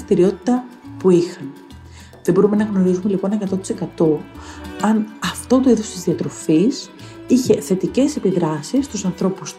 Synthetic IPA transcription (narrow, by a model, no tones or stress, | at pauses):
st̪iɾio̞t̪i̥t̪ɐpuixɐn | ðebo̞ɾume̞nɐɣno̞ɾizume̞lipo̞ne̞kɐt̪o̞t̪i̥se̞kɐt̪o̞ɐnɐft̪o̞t̪o̞iðo̞st̪izðiɐt̪ɾo̞fis | içe̞θe̞t̪ice̞se̞piðɾɐsisːt̪usɐnθɾo̞pus